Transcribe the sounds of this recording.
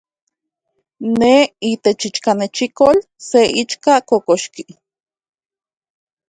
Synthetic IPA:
neit̪et͡ʃit͡ʃkanet͡ʃikol | seʔit͡ʃkakokoʃki

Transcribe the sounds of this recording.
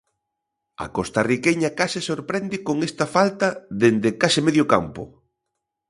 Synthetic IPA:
ɐ̰kost̪arikeɲɐkasɪsoɾpɾɛnd̪ɪkoŋest̪ɐfalt̪ɐðend̪ɪkasɪmeðjoka̰mpʊ̰

